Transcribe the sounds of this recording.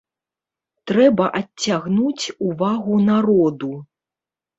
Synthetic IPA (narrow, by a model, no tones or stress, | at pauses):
t̪ɾɛbɐʔat͡sʲːaɣnut͡sʲuvaɣunaɾɔd̪u